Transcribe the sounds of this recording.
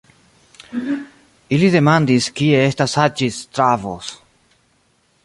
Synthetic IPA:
iliðe̞mand̪iskieestasad͡ʒist̪ɾavo̰s

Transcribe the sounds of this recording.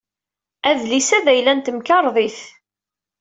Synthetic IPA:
æðlisæðæjlænt̪əmkɑɾˤðˤiθ

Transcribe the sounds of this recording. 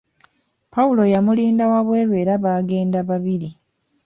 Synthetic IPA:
pawulo̞jamuliːndawaβwe̞ːlwe̞ːɾaβaːɡe̞ːndaβaβiɾi

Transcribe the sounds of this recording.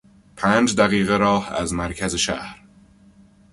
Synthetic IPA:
pʰæːnd͡ʒd̪æɣiːɣeɾɒːhæ̰zmæɾcʰæzeʃæ̰hɾ

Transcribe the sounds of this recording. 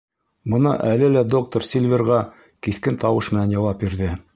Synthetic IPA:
bɤ̆nɑ̰ʔælɘlæd̪o̞k̚t̪oɾsʲilʲvʲerʁɑ | kiθkɘnt̪ɑwɤʃmɘ̆nænjɑwɑp̚biɾðɘ

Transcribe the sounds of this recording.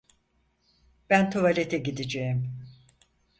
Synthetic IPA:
b̥ænt̪ʰovalʲet̪ʰɛɟid̪id͡ʒejim

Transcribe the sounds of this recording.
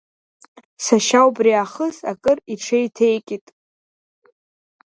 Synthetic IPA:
saʃawbriaχəzakʼɨriʈ͡ʂʰejtʰejkʲʼitʼ

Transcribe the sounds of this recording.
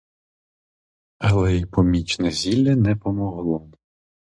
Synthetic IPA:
ɐlˠɛipɔmʲit͡ʃnɛzʲilʲːɐnɛpɔmɔɦlˠɔ

